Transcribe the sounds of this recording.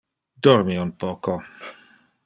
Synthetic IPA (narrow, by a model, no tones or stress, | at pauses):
d̪ɔrmiunpɔːko